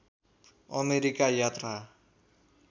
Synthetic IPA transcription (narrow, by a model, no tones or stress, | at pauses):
ʌmeɾikajat̪ra